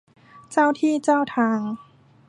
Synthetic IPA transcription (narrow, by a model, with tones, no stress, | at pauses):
t͡ɕa˥˩wt̪ʰiː˥˩t͡ɕaː˥˩wt̪ʰaː˧ŋ